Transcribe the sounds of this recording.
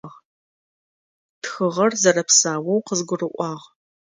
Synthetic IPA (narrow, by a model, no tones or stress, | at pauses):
ʁ | txɨʁɐrzɐrɐpsaːwɐwqəzɡʷʊrɨʔʷʼɑːʁ